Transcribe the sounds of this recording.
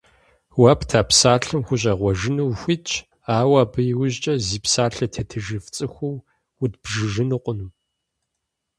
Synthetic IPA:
wɐpʰtʰaːpsaːɬɨmxʷʊɕ̬ʼɐʁʷɔʒɪnuwxʷit͡ʃʼʰ | aːwɐbɨjɪwʊʑt͡ʃʼɐziːpsaːɬɐtʰɐtʰɨʒɨft͡sʼɨxʷʊw | wʊdb̥ʒɨʒɨnɨqʷʊnu

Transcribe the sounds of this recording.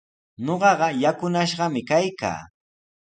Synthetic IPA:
ɲoɢɑɢɑjakʊnaʃɢɑmɪkajka̰ː

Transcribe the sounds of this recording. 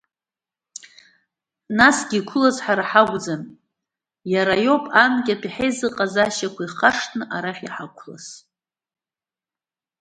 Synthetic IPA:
nasɡʲikʷʰʊlazħaɾaħaɡʷd͡zan | jaɾajo̞pʼankʲʼapʰiħejzɨqʼazaʃakʷʰaiχaʂtʰnɨʔaɾaχʲᶣiħakʷʰla̰s

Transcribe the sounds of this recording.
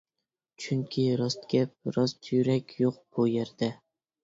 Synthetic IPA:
t͡ʃʰyŋkʲʰiɾɑst̪̚ɡʲɛpɾɑzt̪ʰjɾɛkʲjoq̚b̥ujeɾd̪̥ɛ

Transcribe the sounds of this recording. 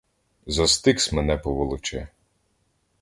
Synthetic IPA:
zɐst̪ɪksʲmenɛpɔʋɔlˠʊt͡ʃɛ

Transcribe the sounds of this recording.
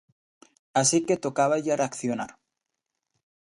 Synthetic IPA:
asiket̪o̞kaβaʝareakθjonaɾ

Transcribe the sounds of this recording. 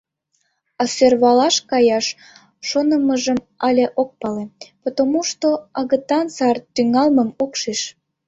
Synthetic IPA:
ɑsørβɑlɑʃkɑjɑʃː | onəməʒəm | ɑlʲeʔok̚pɑlepot̪omuʃt̪oɑɣət̪ɑnsɑrt̪yŋɑlməmokʃeʃ

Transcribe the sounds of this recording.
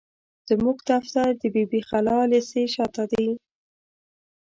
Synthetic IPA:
d̪̥əmuɡt̪aft̪ad̪əbibixalɑleseʃɑt̪ad̪əj

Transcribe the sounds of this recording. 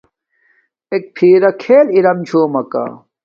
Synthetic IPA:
ek̚pʰiːɾɐkʰeːliɾɐmt͡ɕʰoːmɐka̰

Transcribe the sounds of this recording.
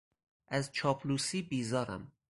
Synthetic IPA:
ʔæzt͡ʃʰɒːpʰluːsiːbiːzɒːɾæ̰m

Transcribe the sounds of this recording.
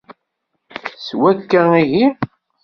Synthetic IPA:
swækːəŋiʝi

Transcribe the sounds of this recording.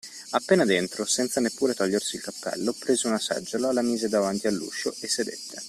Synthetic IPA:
apːeːnad̪ent̪ɾosɛnt̪sanepːuːɾet̪ɔʎːersiːlkapːɛ̰lːopɾeːzeunasɛ̰d͡ʒːolalamiːzed̪avant̪ialːṵːʃːoesːed̪ḛt̪ʰːe

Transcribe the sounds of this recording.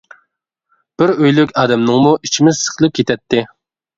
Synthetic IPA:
b̥ɪɾøjlykʲɑːd̪ɛmnɨŋmuʔit͡ʃʰimɪzsə̥χʰəlˠɨp̚kʲʰet̪ʰɛt̪ʰːɪ

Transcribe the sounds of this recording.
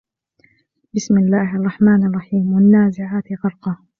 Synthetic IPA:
bɪsmɪlːaːɦʔɑrˤːɑħmaːnɑrˤːɑħiːmwanːaːzɪʕaːt̪ɣɑɾˤqɑ

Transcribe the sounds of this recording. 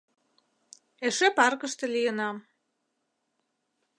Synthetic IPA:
eʃepɑrkə̆ʃt̪ĕlijənɑm

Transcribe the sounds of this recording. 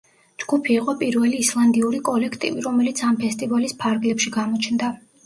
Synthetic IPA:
d͡ʒɡ̥upʰiːqʼɔpʼiɾvɛliːslˠand̪iuɾikʼɔlɛkʰt̪ʼḭviɾɔmɛlit̪sʰampʰɛst̪ʼivalispʰaɾɡlɛpʃiɡamɔt͡ʃʰnd̪a

